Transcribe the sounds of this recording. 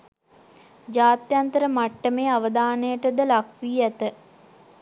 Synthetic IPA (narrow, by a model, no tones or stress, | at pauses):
d͡ʒaːt̪jant̪əɾəmaʈːəmeːaʋəd̪aːnəjəʈəd̪əlakʋiːæt̪ə